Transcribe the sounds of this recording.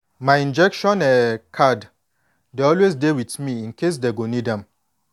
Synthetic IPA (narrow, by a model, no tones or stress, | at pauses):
majĩnd͡ʒɛkʃɔ̃nɛkʰad | deɔlwezdewitmiĩnkʰes̬deɡonidɛ̃m